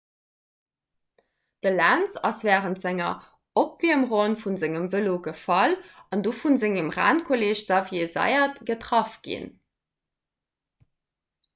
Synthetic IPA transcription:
d̥əlæːnt͡sɑsv̥æːʁəntz̥æŋɐ | opv̥iəmʁonfunzeŋəmvəloɡəfɑlɑndoːfunzeŋəmʁa̰ːnkʰoleːɕz̥ɑviezɑ̰ɪɐtɡ̥ətʁɑfɡ̥ḭn

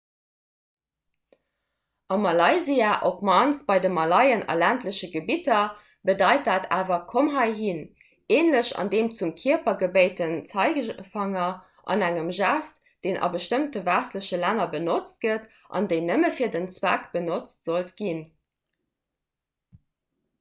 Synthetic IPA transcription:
ʔɑmɑlɑɪziaːʔopmɑnsb̥ɑɪdəmɑlɑɪənɑ̰læntləɕəɡəbitɐ | bədɑɪt̚daːtʰaːvɐkʰomɦɑɪɦin | eːnləɕɑ̰ndeːmt͡sumkʰiɐpɐɡəbəɪtənt͡sɑɪɡəfɑŋɐ | ʔɑ̰næŋəmʒæst | d̥eːnʔɑ̰bəʃtəmtəvæsləɕəlænɐbənot͡st̚ɡ̥ət | ʔɑ̰ndəɪnəməfiːɐdənt͡swækb̥ənot͡stz̥oltɡ̥in

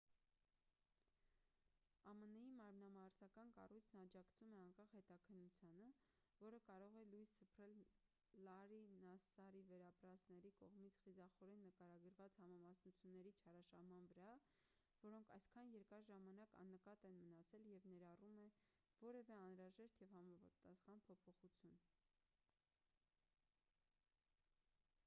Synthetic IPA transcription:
ɑmənijimɑɾmnɑmɑɾsɑkɑnkɑ̰rujt͡sʰnəɑd͡ʒɑkt͡sʰumɛɑŋkɑχhɛt̪ɑkʰənːut͡sʰjɑnə | vɔɾəkɑɾɔʁɛlujssəpʰɾɛl | lɑɾinɑsɑɾivɛɾɑpɾɑsnɛɾikɔʁmit͡sʰχizɑχɔɾɛnːəkɑɾɑɡəɾvɑt͡shɑmɑmɑsnut͡sʰjunːɛɾit͡ʃʰɑɾɑʃɑhmɑnvəɾɑ | vɔɾɔŋkʰɑjskʰɑnjɛɾkɑɾʒɑmɑnɑkɑ̰nːəkɑt̪ɛnmənɑt͡sʰɛljɛvnɛɾɑrumɛ | vɔɾɛvɛɑnɾɑʒɛʃt̪jɛvhɑmɑpɑt̪ɑsχɑnpʰɔpʰɔχut͡sʰjun

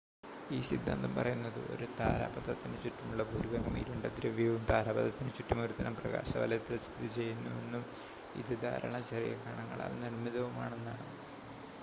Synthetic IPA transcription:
iːsid̪ʱːa̰ːnd̪ɐmpɐrɐjunːɐðɨ̰ʔo̞̰ɾut̪aːɾa̰ːbɐt̪ɐt̪ːinɨt͡ɕuʈːumuɭːɐbʱuɾuʋɐŋɐmḭːɾuɳɖɐd̪ɾɐʋjɐʋumt̪aːɾaːbɐðɐt̪ːinɨt͡ɕuʈːɐmo̞ɾut̪ɐnɐmprɐɣa̰ːɕɐʋɐ̰lɐjɐt̪ːɐlsid̪ʱːit͡ɕe̞jːunːue̞nːum | ḭðɨd̪ʱa̰ːɾɐ̰ɳɐt͡ɕɐrijɐ̰kːaːɳɐŋːɐɭa̰ːlnirmiðɐʋumaːɳenːaːɳɨ

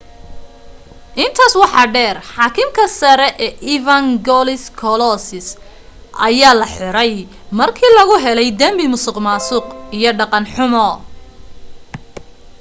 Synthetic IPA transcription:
ʔɪnt̪ʰaːswɑħɑːɖɛːrħɑːkʰɪmkʰɐsɐɾɛʔɛːʔivɐŋɡɔlɪskʰɔlɔsɪs | ʔɐjaːlɐħɔɾɛj | mɐrkʰiːlɐɣʊɦɛlɛjd̪ɐmbɪmʊsɪqmaːsʊːqijɞɖɑqɑnħʊmɔ

